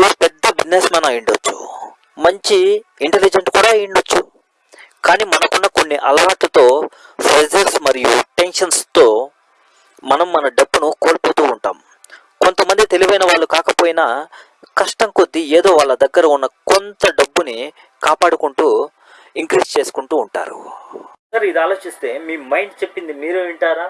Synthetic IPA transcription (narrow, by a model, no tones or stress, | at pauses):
uːspɛd̪ːɐbiesmaːnɐjiɳɖot͡ʃːu̥̰ | mɐɲt͡ʃiiɳʈelid͡ʒenskuːɽaːjiɳɖot͡ʃːṵ | kaːniːmɐnɐkunːɐko̞nːiʔɐlɐʋaːʈlɐt̪o̞ː | pʰɾed͡ʒɐɾsmɐɾijṵʈe̞nʂɐnst̪o̞ː | mɐnɐmːɐnɐɖɐbːunukoːlpoːt̪uːɳʈa̰ːm | kont̪ɐmɐnd̪it̪e̞liʋɐjnɐʋaːɭːukaːkɐpoːjinɐ | kɐʂʈɐŋkod̪ːieːd̪o̞ːʋaːɭːɐd̪ɐɡːɐɾɐunːɐkont̪ɐɖɐbːuni | kaːpaːɽukuɳʈuː | iŋkɾiːd͡ʒt͡ʃe̞ːsu̥kuɳʈuːɳʈa̰ːɾṵ | ɐɾuid̪iaːlo̞ːt͡ʃist̪e̞ːmiːmɐjɳɖt͡ʃe̞pːind̪imiːɾuiɳʈaːɾaː